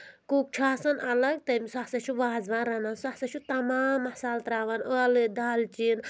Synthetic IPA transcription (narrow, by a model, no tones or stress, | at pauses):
kuk̚t͡ʃʰaːsɐnɐlɐɡ̚t̪ɐmiswasɐt͡ʃʰuʋaːzʋãːnɾɐnansahsɐt͡ʃʰut̪ɐmaːmɐhsaːlt̪ɾaːʋanəlɨd̪aːlt͡ʃin